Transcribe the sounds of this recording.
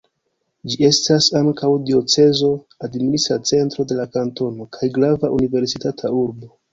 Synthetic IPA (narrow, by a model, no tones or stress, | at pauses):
d͡ʒie̞stasaŋkawdio̞t͡se̞zo̞ | adminisat͡se̞ntɾo̞de̞lakanto̞no̞kʰajɡɾavaʔunive̞ɾsitatʰauɾbo̞